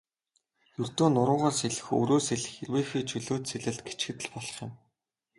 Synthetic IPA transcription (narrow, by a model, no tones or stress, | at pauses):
jɵr̥t̪oːnʊɾʊ̆ːɴʁɔːrseɮɘ̆xɵ̰ɾoːseɮɘ̆xerweːxiːt͡ɕʰɵɮoːt̪seɮɘ̆ɮt̪̚ɡe̥t͡ɕɡɘ̆t̪ɘ̆ɮpɔɮɞ̆χjʊ̆m